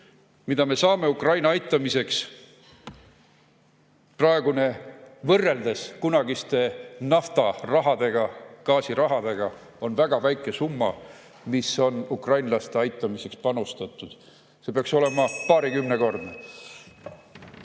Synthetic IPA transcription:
mid̪ɑme̞sɑːme̞ukrɑjnɑɑjt̪ːˑɑmise̞ks | prɑe̞ɡ̥une̞vɤrːe̞ld̪eskunɑɡist̪e̞nɑft̪ɑrɑɦɑd̪̥e̞ɡ̥ɑkɑːsiɾɑɦɑd̪e̞ɡ̥ɑ | o̞nvæɡ̥ɑvæjkːˑe̞sumːɑ̰ | miso̞nukrɑjnlɑst̪e̞ɑjt̪ːˑɑmise̞kspɑnust̪ɑt̪ːˑud̪̥ | se̞peɑkso̞le̞mɑpɑːɾikymne̞ko̞rd̪ne

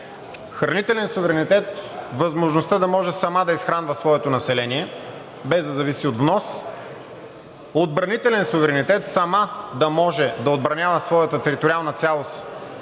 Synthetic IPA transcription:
xɾɐnit̪ɛlɛnsʊvɛɾɛnit̪ɛt̪vɐzmoʒnost̪əd̪ɐmɔʒɛsɐmad̪ɐisxɾanvəsvɔɛt̪onɐsɛlɛniɛ | bɛzd̪ɐzɐvisiod̪vnɔs | od̪̚bɾɐnit̪ɛlɛnsʊvɛɾɛnit̪ɛt̪sɐmad̪ɐmɔʒɛd̪ɐod̪̚bɾɐnʲjavəsvɔjət̪ət̪ɛɾit̪oɾialˠnət̪sʲalˠos

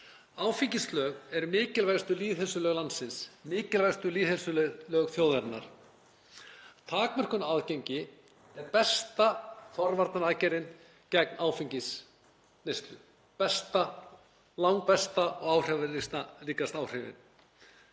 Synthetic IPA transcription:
aːwfiɲcislœːɣɛɾmɪːcɪlvajst̪ʏliːðhɛlsʏlœːɣlant̪sɪnsmɪːcɪlvajst̪ʏliːðhɛlsʏlœɣlœːɣθjowðɛɾna̰ɾ̥ | t̪ʰaːkmɛr̥kʏnaðceɲcɪ | ɛɾpɛst̪afɔɾvaɾt̪naɾaːcɛɾɪn | cɛk̚naːwfiɲcis | nejst̪lʏ̰ | pɛst̪a | lawŋ̚pɛst̪aɔɣaːwr̥ɛvɪɾist̪aliːkast̪aːwr̥ɪvɪ̰n

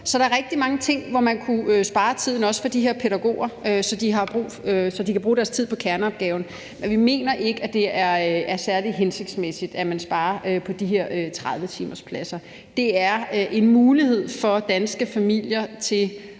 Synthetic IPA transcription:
sɒ̽dɾɑ̈ɐʁɛɡ̥̚d̥imɑ̈ŋət͡sʰe̝ŋ̰ʋɒmænkʰuøsb̥ɑ̈ːt͡sʰið̞̰ˠn̩ɒ̽sə̥fɒ̽d̥iɦe̝ɐpʰeɾæɡ̥o̝̰ːɐøsɒ̽d̥iɦɑ̈b̥ʁṵːsɒ̽d̥ikʰæb̥ʁuːɾ̥æɐst͡sʰið̰ˠpʰɒ̥̽kʰæɐnəɒ̽b̥̚ɡ̥ɛːʊn̩ | menʋime̝̰ːnɐʔe̝ɡ̥əæd̥e̝æɐæɐsæɐliɦense̝ɡ̥d̥smesid̥æmænsb̥ɑ̈ːɐʔøpʰɒ̽d̥iɦe̝ɐ̰øt͡sʰʁað̞ˠʋət͡sʰḭːmɐspʰlæsɐ | d̥e̝æɐʔe̝nmuːlihe̝ð̞̰ˠfɒ̽d̥ænsɡ̥əfæmil̰jɐt͡sʰe̝l

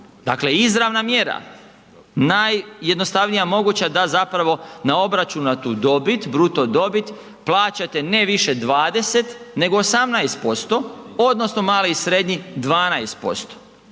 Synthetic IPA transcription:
d̪akleizɾaʋnamjeɾa̰ | najːed̪nost̪aʋnijamo̞ɡuːt͡ɕad̪azapɾaʋo̞nao̞bɾat͡ʃunnat̪uːd̪o̞bit̪bɾut̪od̪o̞bit̪ | plˠaːt͡ɕat̪e̞neʋiʃe̞d̪ʋaːd̪e̞se̞t̪ne̞ɡoːsamnajst̪̚po̞st̪o̞o̞d̪no̞snomaːliisɾe̞d̪ɲid̪ʋaːnajst̪̚po̞̰st̪o̥

